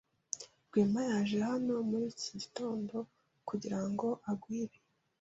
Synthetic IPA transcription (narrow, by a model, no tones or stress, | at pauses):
ɡwiːmajaːʒe̞hano̞muɾiːciɟito̞ːndo̞ | kuɟiɾaŋɡo̞ʔaɡwiːɾe